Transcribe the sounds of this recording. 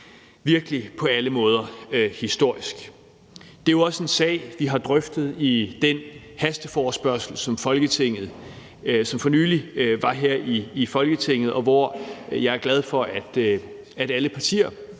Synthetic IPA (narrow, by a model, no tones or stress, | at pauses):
ʋiɐɡ̥əlipʰɒ̽æləmɔ̽ːð̞ˠɐhisd̥o̝ɐ̰isɡ̥ | d̥e̝joɒ̽səe̝nsɛ̰ːɪʋiɦɑ̈d̥ʁœfd̥ð̞̩ˠid̥en | hæsd̥əfɒːsb̥ɶɐsl̩sɒ̽mfɒ̽lɡ̥ət͡sʰe̝ŋ̰ð̩ˠ | sɒ̽mfɒ̽nyːliʋɑ̈ɦeɐ̰iːfɒ̽lɡ̥ət͡sʰe̝ŋ̰ð̞̩ˠɒ̽ʋɒjɑ̈ɪæɐɡ̥læð̞ˠfɒ̽ʔæd̥ | æɾ̥æləpʰɑ̈t͡sʰḭːɐ